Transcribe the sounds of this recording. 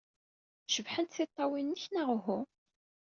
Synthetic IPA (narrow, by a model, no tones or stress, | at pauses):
ʃəvħənt̪θit̪ˤːɑwinːəçnaʁɦʊ